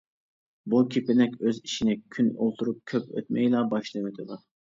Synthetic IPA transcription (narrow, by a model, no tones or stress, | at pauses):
bukʲʰipɪnɛkʲøziʃinɪkʲʰyno̰lˠt̪ʰuɾup̚kʲʰøpø̰t̪mɛjlˠɑbɑʃlˠɨnɪd̪ɨlˠɑɾ